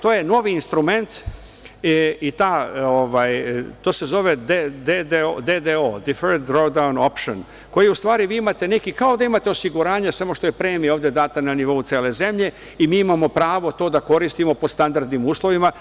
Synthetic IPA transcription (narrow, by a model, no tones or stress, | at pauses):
t̪oːje̞no̞ʋiːnst̪ɾume̞nt̪ | it̪aːoʋajt̪ose̞zo̞ʋe̞d̪ed̪ed̪ed̪ed̪eod̪ifeɾd̪ɾoɡd̪auno̞pʃon | ko̞jiust̪ʋaːɾiʋiːimat̪e̞ne̞kikao̞d̪aimat̪e̞o̞siɡuɾaːɲasamo̞ʃt̪o̞je̞pɾe̞ːmijoːvd̪jed̪aːt̪ananiʋo̞ut̪seːle̞ze̞mʎe̞ | imiːimamo̞pɾaːʋo̞t̪o̞ːd̪ako̞ɾist̪imo̞post̪and̪aɾd̪nimuːslˠo̞ʋima